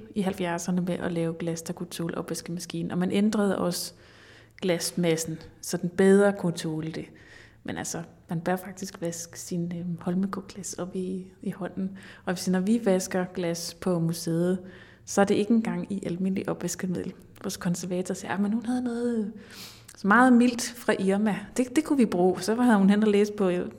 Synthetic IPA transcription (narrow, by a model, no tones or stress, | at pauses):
iɦælfjæɐsɐnəmeʔɒlɛːʊɡ̥læst͡sʰækʰut͡sʰo̰ːlʔɒ̽b̥ʋesɡ̥əðmæsɡ̥ḭːn̩ɒ̽mænʔend̥ʁɐð̞̩ˠʔɒ̽s | ɡ̥læsmæsn̩sɒ̽d̥n̩b̥eð̞ˠʁɐkʰut͡sʰo̝ːld̥e̝ | mʔenʔæ̰lsɒmænb̥ɶɐfɑ̈ɡ̥d̥isɡ̥ʋæsɡ̥sinhɒ̽lmikʰoɡ̥læsɒ̽b̥iihɒ̽n̰n̩ʔɒ̽ʋe̝snɒʋiʋæsɡ̥ɐɡ̥læspʰɒ̽museːð̩ˠ | sɒ̽æɐd̥e̝ʔe̝ɡ̥e̝nɡ̥ɑ̈ŋ̰iʔælme̝n̰liʔɒ̽b̥ʋæsɡ̥ɐmið̞̰ˠl̩ | ʋɒːskʰɒ̽nsæɐʋɛːt͡sʰɒsiɐæmenhunhæð̞ˠnɔ̽ːð̩ˠ | mɑ̈ːð̞̩ˠmil̰d̥fʁɑ̈ʔiɐmæd̥e̝d̥e̝kʰuʋib̥ʁṵːɒsɒ̽hæðˠhunɦen̰ɐleːsə̥pʰɒ̽